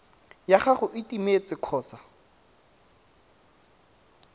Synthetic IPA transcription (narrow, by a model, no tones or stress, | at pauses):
jaχaχʊʔɪtimet͡sɪkʰɔːt͡sa